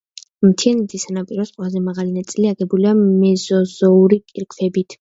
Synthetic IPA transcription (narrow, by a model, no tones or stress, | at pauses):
mt̪ʰiɛnit̪ʰisanapʼiɾɔsqʼwɛlˠazɛmaʁalinat̪sʼiliaɡɛbuliamɛzɔzɔuɾikʼiɾkʰvɛbit̪ʰ